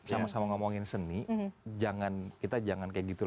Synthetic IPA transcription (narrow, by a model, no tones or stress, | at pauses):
samasamaŋamaŋɪnsənid͡ʒaŋankit̪ad͡ʒaŋankajaɡit̪ul